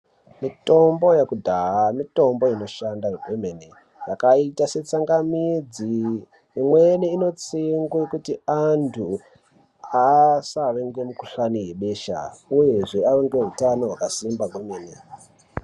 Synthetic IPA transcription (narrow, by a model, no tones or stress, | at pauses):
mito̞mbo̞jekudʱaamito̞mbo̞ino̞ʃandaɡweme̞ne | jakaitase̞t͡saŋɡamid͡ziː | mweneino̞t͡siŋɡwekutiantʰu | asaʋeŋɡe̞mukuʃanije̞ɓe̞ʃa̰uje̞ʐe̞aʋeŋɡe̞ɦutano̞ɦwakasimbaɡwemeːne